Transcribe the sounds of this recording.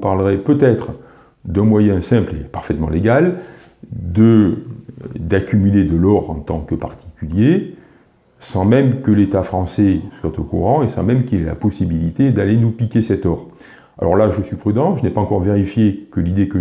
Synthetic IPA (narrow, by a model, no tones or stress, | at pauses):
paʁləʁɛpøt̪ɛt̪χ | d̪ɛ̃mwajɛ̃sɛ̃plḛpaʁfɛt̪mɑ̰̃leɡal | d̪ə | d̪akʲymyled̪əlɔʁɑ̃t̪ɑ̃kəpaʁt̪i̥kʲylje | sɑ̃mɛmkəlet̪afχɑ̃sɛswat̪okṵʁɑ̃esɑ̃mɛmkʲilɛla̰pɔsibilit̪ed̪alenupikʲesɛt̪ɔʁ | a̰lɔ̰ʁlaʒəsɥipχyd̪ɑ̃ʒənɛpaɑ̃kɔʁveʁifjekəlid̪ekə